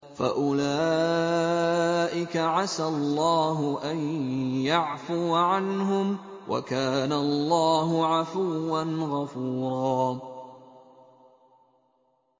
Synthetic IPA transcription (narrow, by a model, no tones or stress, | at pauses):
fa̰ʔʊlaː | ʔɪkaʕasalˤːɑːɦʊʔanjaʕfʊːʕanɦʊmwʔa̰kaːnaɑlˤːɑːɦʊʕafuːanɣafuːɾˤɑː